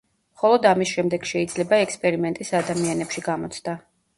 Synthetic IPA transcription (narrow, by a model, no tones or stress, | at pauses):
χɔlˠɔd̪amisʃɛmd̪ɛɡ̥ʃɛid̪zlɛbaɛkspʼɛɾimɛnt̪ʼisad̪amianɛpʃiɡamɔt̪sʰd̪a